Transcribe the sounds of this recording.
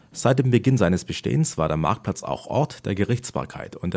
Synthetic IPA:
z̥aɪt̚d̥eːmbəɡɪnzaɪnəsb̥əʃtḛːənsv̥aːɐɾeːɐma̰ɐk̚pʰlat͡sa̰ʊxʔɔ̰ɐtd̥eːɐɡəʁɪçt͡sb̥a̰ːɐkʰa̰ɪtʰʊntd̥

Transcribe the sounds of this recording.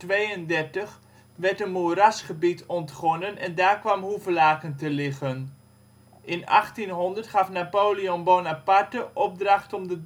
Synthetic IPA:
tʋejəndɛrtəχ | ʋɛɹtənmurasχəbitʰɔntχɔnənɛndaːɹkʋamɦuvəlaːkəntəlɪχən | ʔɪnɑ̰χtinɦɔndərtχɑfnapoːliɔnbonapartəʔɔp̚drɑχtɔmdə

